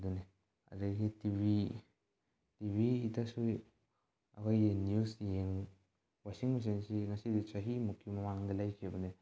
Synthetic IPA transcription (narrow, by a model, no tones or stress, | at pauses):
duni | a̰daɡitibi | tibiːtasu | a̰kajenjusjeŋ | wasiŋwas̬iŋsiŋasidit͡ʃaɦimukʰːimamaŋdalajkʰebɐni